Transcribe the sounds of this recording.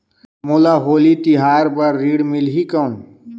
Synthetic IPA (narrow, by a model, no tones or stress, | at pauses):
moːlaːɦoːlit̪iɦaːɾbɐɾːiːɽmilɦikɐwn